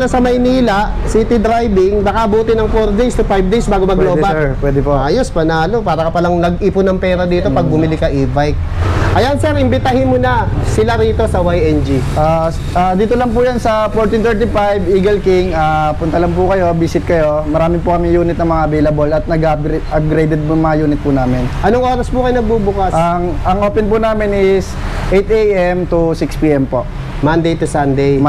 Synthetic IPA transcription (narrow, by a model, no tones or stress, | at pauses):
lasɐmɐjniːlɐʔsit̪ɪd̪ɾajbɪŋnɐkɐʔɐbuːt̪ɪnɐŋfoɾd̪ejst̪ʊfajb̚d̪ejsbaːɡomɐɡloːbapwɛd̪ɛpoʔaːjospɐnaːlopaːɾɐkɐpɐlɐŋnɐɡʔiːpʊnɐŋpɛːɾɐd̪iːt̪o̞pɐɡ̚bʊmɪlɪkɐʔiːvajk̚ʔɐjansɛɾʔɪmbɪt̪ahɪnmʊnɐsɪlaɾiːt̪o̞sɐwajɛnd͡ʒiʔa | ʔaːd̪iːt̪olɐŋp̬ujɐnsɐfoɹt̪ɪnt̪ɛɹt̪ifajbiːɡɐlkiŋapʊnt̪ɐlɐmp̬ʊkɐjo̞biːsɪt̪̚kɐjo̞mɐɾaːmɪpʊkɐmɪjuːnɪt̪nɐŋmɐŋaɐbejlɐbolɐt̪̚nɐɡp̚ɡɾʔɐp̚ɡɾejd̪ɛd̪̚mŋmɐŋajuːnɪt̪̚pʊnaːmɪnʔɐnoŋʔoːɾɐspukɐjonɐɡ̚bubʊkasaŋʔɐŋʔoːpɛnpunaːmɪnɪsʔejt̪ejʔɛmt̪usɪkspiːʔɛmpo̞̰ʔ | mand̪ejt̪usand̪ɛj